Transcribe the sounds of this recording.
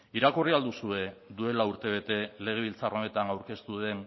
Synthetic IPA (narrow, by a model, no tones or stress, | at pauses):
iɾakoriald̪usue̞d̪ue̞lauɾt̪e̞β̞e̞t̪e̞le̞ɣ̞e̞β̞ilt͡sarone̞t̪aŋawɾke̞st̪uðe̞n